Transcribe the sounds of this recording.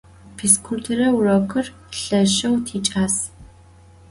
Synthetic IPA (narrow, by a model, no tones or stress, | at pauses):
pʰiːskʷʰultʰeɾɐwrɐkʰɨr | ɬɐɕɐwtʰiːt͡ʃʼaːs